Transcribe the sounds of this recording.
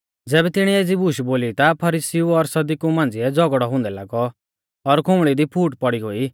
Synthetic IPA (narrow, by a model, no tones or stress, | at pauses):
d͡zɛːbɛt̪ɪɽ̃ieːd͡zibuʃboːlit̪apʰɐɾisiuɔɾsɐd̪ikumãːnd͡ziɛd͡zɔɡɽɔɦʊ̃ːnd̪ɛlaɡɔ | ɔɾkʰʊmɭid̪ipʰuːʈpɔɽiɦoːi